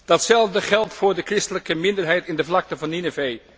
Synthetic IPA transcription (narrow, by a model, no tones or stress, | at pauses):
d̥ɑtsɛlˠvdəχɛlˠtfʊːɹdəkrɪstələkəmɪndəɹɦɛjtɪndəvlɑk̚təvɑninəvej